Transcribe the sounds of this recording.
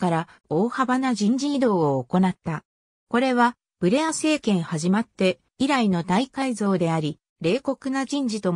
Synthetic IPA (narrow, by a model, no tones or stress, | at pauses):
kaɾa | o̞ːhabanaʑĩɲ̟d͡ʑiid̪o̞ːoːko̞nat̪ːa | ko̞ɾe̞βa | b̥ɯ̟ɾe̞ase̞ːkẽ̞ɰ̃haʑimat̪ːe̞ | iɾainod̪aikaizo̞ːd̪e̞aɾʲi | ɾe̞ːko̞kɯ̟nad͡ʑĩɲ̟d͡ʑit̪o̞